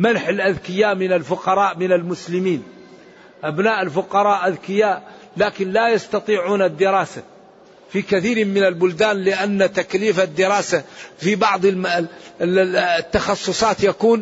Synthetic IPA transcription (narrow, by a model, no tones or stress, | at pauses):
manħɪlʔaðkɪjaːʔmɪnalfʊqɑɾˤɑːʔmɪnalmʊslɪmiːn | ʔabnaːʔɪlfʊqɑɾˤɑːʔʔaðkɪjaːʔ | laːkɪnlajɑst̪ɑt̪ˤiːʕuːnad̪ːɪɾˤɑːsa | fikaθiːɾmɪnalbʊld̪aːnlɪʔanːat̪akliːfad̪ːɪɾɑːsafibɑʕðˤ | t̪ːɑxɑsˤːʊsˤɑːt̪jakuːn